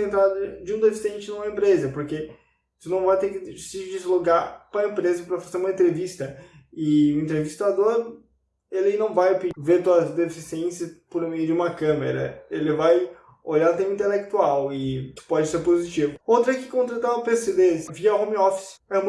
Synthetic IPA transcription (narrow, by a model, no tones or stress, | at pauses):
ẽnt̪ɾad̪ɐd͡ʒɪũd̪efi̥sẽnt͡ʃɪnũmɐẽmpɾezɐpoɾke | t̪unɐ̃w̃vajt̪eɾkɪsɪd͡ʒizloɡaɾpɾɐẽmpɾezɐpɾɐfazeɾũmɐẽnt̪̬ɾevist̪ɐ | ɪũẽnt̪̬ɾevist̪ad̪oɾ | elɪnɐ̃w̃vajpiveɾt̪uɐzd̪efisiẽsɐspoɾmejʊd͡ʒɪũmɐkɐ̃meɾɐ̰elɪvaj | oʎaɾ̃t̪ẽmɐĩt̪elek̚t̪uawɪt̪u̥pɔd͡ʒɪseɾpozit͡ʃivʊowt̪ɾɐɛkɪ̥kõnt̪ɾat̪aɐpesed̪eɪsviɐhõmiɔfi̥sɛũm